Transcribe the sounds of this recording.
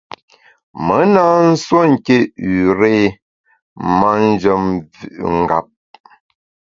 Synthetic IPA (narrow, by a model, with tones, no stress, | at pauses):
mə˨˦naː˦n̩˦swo˦ŋ̩˨ke˦ʉ˨ɾe˦ | ma˦n̩˦d͡ʒə˨mvʉ̰˨ʔŋ̩˨ɡa̰˨p̚